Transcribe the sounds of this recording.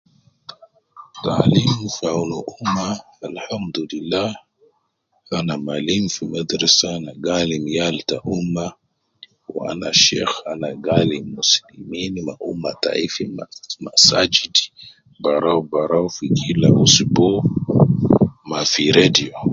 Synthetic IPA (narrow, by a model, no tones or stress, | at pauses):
t̪aʕlimfawnuʔumːa | alħamd̪ulilːah | ʔanamalimfimad̪ɾasaanaɡaːlimjalt̪aʔumːa | w̰a̰naʃḛːxanaɡaːlimːuslimiːnmaʔumːat̪a̰ʔifimmasad͡ʒid | baɾˤawbaɾˤawfikʰila̰ʔusibo | mafiɾed̪ijo